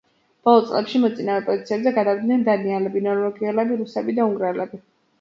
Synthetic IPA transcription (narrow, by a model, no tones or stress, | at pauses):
b̥ɔlˠɔt̪sʼlɛpʃimɔt̪sʼinaːvɛpʼɔd̪it̪sʰiɛbzɛɡad̪avd̪nɛnd̪anialɛbinɔɾvɔɡiɛlɛbiɾusɛbid̪auŋɡɾɛlɛbi